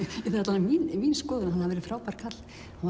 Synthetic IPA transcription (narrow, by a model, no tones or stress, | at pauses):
iθɛt̪lanminmiːnskɔːðʏɾaaðhaðvɛɾɪfɾaːwpaɾ̥kʰat̪l̥ | ha